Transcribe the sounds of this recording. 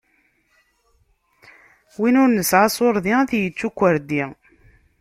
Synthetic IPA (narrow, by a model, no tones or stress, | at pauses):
winʊɾnəsʕasˤʊɾˤðiθjət͡sːukʷːəɾd̪i